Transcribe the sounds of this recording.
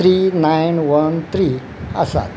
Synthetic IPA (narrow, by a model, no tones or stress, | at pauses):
ɾinajnʋənt̪ʰɾi | ə̰sa̰t̪